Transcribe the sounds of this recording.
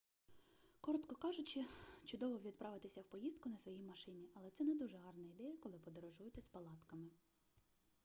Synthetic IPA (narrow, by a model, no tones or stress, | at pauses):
kɔɾɔt̪kɔkɑʒʊt͡ʃɪt͡ʃʊd̪ɔʋɔʋʲid̪̚pɾʔɑʋɪt̪ɪsʲɐwpɔjizd̪kʊnɐsʋɔjijmɐʃɪnʲiʔɐlˠɛt̪sɛnɛd̪uʒɛɦɑrnɐid̪ɛjɐkɔlˠɪpɔd̪ɔɾɔʒujʊt̪ɛspɐlˠɑt̪kɐmɪ